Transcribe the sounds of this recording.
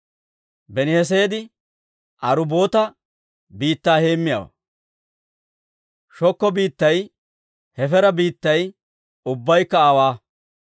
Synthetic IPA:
bɛnɪhɛs̬eːd̪ɪ | ʔɐɾʊbo̞ːt̪ɐ | biːt̪ːaːhe̞ːmːɪja̰ːwɐ̰ | ʃɔkːɔbiːt̪ːɐj | hɛfɛɾɐbiːt̪ːɐj | ʊbːɐjkːɐaːwaː

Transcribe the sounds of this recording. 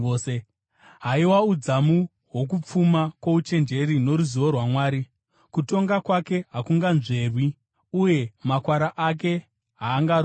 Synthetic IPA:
e | ɦaiwaud͡zamu | ɦwo̞k̬up͡fumakwo̞ut͡ʃe̞nd͡ʒe̞ɾino̞ɾuziʋorwamwaːɾi | kuto̞ŋɡakwake̞ɦakuŋɡanʐe̞rwi | uje̞makwaɾaʔak̬e̞ | ɦaːŋɡaɾ

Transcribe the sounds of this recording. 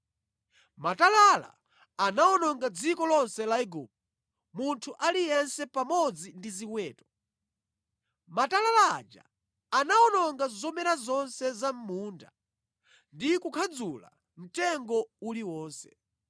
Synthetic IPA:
matalala̰ | anaɔnɔŋɡad͡zikɔlɔnsɛlaiɡṵp̚ɔ | muntʰuʔalijɛnsɛpamɔd͡zindiziwɛːtɔ̥ | matalala̰ːd͡ʒa̰ː | naɔnɔŋɡazɔmɛɾazɔnsɛzam̩muːnda̰ | ndikukʰad͡zula̰ | m̩tɛŋɡɔuliwɔːnsɛ̥

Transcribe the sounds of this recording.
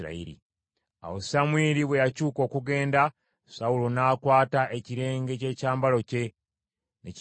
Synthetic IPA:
ɾa̰ḭɾḭ | a̰wosamwiːɾiβwejacuːko̞ːkuɡe̞ːnda | saulonaːkwaːtaʔe̞ciɾe̞ːŋɡe̞ce̞caːmbalo̞ce̞ | nec

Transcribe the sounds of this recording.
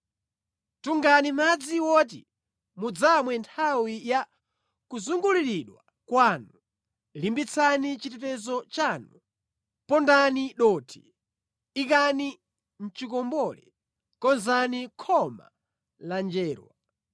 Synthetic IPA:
tuŋɡanimad͡ziwɔt̬ḭ | mud͡zamwɛntʰawija | kuzuŋɡuliɾiɗwa | kwanu | limbit͡sʰanit͡ʃitɛtɛzɔt͡ʃanu | pɔndaniɗɔːtʰi̥ | ikani | n̩t͡ʃikɔmbɔlɛ | kɔnzanikʰɔma̰ | land͡ʒɛːɾwa̰

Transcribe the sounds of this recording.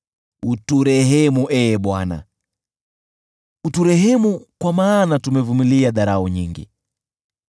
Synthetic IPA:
utuɾɛɦɛmuʔɛːɓwana̰ | utuɾɛɦɛmukwamaːnatumɛvumiliaðaɾauɲiŋɡḭ

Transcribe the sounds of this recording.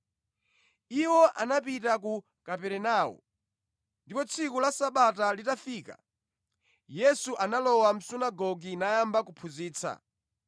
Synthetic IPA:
iwɔʔanapitak̬u | kapɛɾɛnaːwɔ̰ | ndipɔt͡sʰikulasaɓatalitafiːka̰ | jɛsuʔanalɔwam̩sunaɡɔɡinajambakupʰuziːt͡sʰa̰

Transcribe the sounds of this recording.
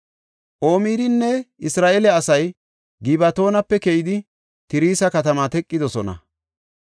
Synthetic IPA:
ʔo̞ːmiːd̪ɪnːɛɪsɾaːʔeːlɛɐsɐj | ɡɪbɐt̪o̞ːnɐpːɛkɛjɪd̪ɪ | t̪ɪɾiːsɐkɐt̪ɐmat̪ɛkʼːɪd̪ɔsɔnɐ̰

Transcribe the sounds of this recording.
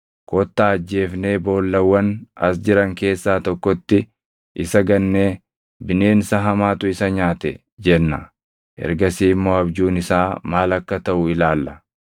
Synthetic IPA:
kɔt̪ːaːɐd͡ʒːe̞ːfne̞ːbo̞ːlːɐwːɐnɐsd͡ʒɪɾɐŋke̞ːsːaːt̪ɔkːɔt̪ːɪ | ʔɪsɐɡɐnːeː | bɪne̞ːnɪsɐɦɐmaːt̪ʊɪsɐɲaːt̪ɛ̰ | d͡ʒɛnːɐ̰ | ʔɛ̰ɾɡɐsiːɪmːo̞ːɐbd͡ʒuːnɪsaːmaːlɐkːɐt̪ɐʔʊɪlaːlːɐ

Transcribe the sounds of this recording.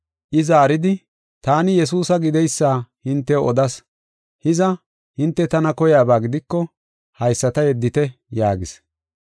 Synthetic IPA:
ʔɪzaːɾɪd̪ɪ | t̪aːnɪjɛs̬uːsɐɡɪd̪ɛjsːaːhɪnt̪ːɛɔd̪ɐs | hɪzɐ | hɪnt̪ːɛt̪ɐnɐkɔjaːbaːɡɪd̪ɪkːɔ | hɐjsːɐt̪ɐjɛd̪ːɪt̪ɛjaːɡɪs

